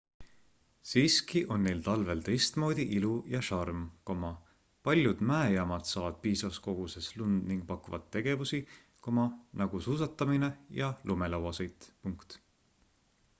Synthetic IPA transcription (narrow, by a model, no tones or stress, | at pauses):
siːskiʔo̞nːe̞jlt̪ɑlve̞lt̪e̞jst̪mo̞ːd̪̥iʔilujɑʃɑrmko̞mɑ | pɑlʲjud̪̥mæejɑmɑd̪̥sɑːvɑd̪̥̚piːsɑsko̞ɡ̥use̞slund̪̥niŋɡ̥̚pɑkuvɑt̪ːe̞ɡ̥e̞vusi | ko̞mɑnɑɡ̥usuːs̬ɑt̪ːˑɑmine̞jɑlume̞lɑwɑsejd̪̥puŋkt̪